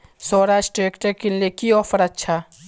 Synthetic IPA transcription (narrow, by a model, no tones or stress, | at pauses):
sɔːɾaːʃʈɾeːkʈəɾkelekiɔːfʰəɾɐtːʃʰa